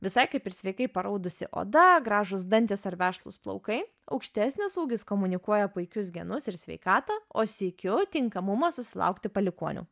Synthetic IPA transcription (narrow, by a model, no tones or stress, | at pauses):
ʋʲɪsɐɪkɐɪpʲɪɾsʲʋʲɛɪkɐɪpɐɾɐʊd̪ʊsʲɪ̰ʔo̰ːd̪ɐɡɾɑːʒʊsd̪ɐnʲt̪ʲɪsɐɾʋʲæːʃlˠṵːsplˠɐ̰ʊkɐɪ | ɐ̰ʊkʃʲt̪ʲæːsʲnʲɪsuːɡʲɪskoːmʊnʲɪkuɔjɛpʊɪkʲʊsɡʲɛnʊsɪɾsʲʋʲɛ̰ɪkɑːt̪ɐːoːsʲiːkʲʊt̪ʲɪŋkɐmʊmɐsʊsʲɪlˠɐ̰ʊkt̪ʲɪpɐlʲɪkuɔnʲṵː